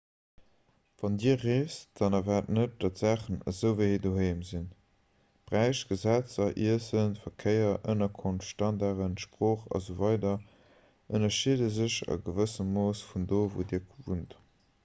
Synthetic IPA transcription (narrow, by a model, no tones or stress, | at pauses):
vɑndiːɐʁeːsd̥ɑnɑvaːtnət̚d̥ɑtz̥æːχənə̰zəʊvəhidoːɦeɪmzin | b̥ʁæɪʃɡ̥əzæt͡sɐʔiəsənfɐkʰəɪɐʔənɐkʰonftʃtɑndaʁənʃpʁ̥oːχɑ̰zovɑɪdɐ | ʔənɐʃiədəzəʃə̰ɡəvəsəmːoːsfundoːvo̰ːdiːɐkvunt